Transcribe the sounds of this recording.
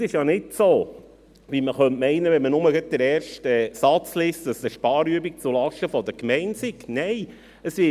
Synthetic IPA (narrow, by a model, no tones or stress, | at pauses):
sɪʃjɑnɪtsoː | ʋiməχœntmɛɪnəʋɛnmənʊməɡət̪̚d̥əɾɛːɾʃtɛsɑt͡slɪsdɑsəʃpɑːɾyəbik̚t͡sulɑʃtəfɔd̪əɾkmɛɪntsɪknɛɪ | əsʋɪ